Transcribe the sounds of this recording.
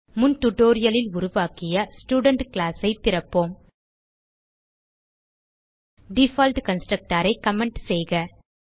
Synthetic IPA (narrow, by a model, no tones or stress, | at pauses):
mʊnt̪ʊʈːoːɾɪjɐlɪlʊɾʊʋaːkɪjɐsʈuːɽɐɳʈklaːsɐɪt̪ːɪɾɐpːoːm | ɖɪfaːlʈkɐnsʈɾɐk̚ʈaːɾɐɪkːɐmɛɳʈsɛjɣɐ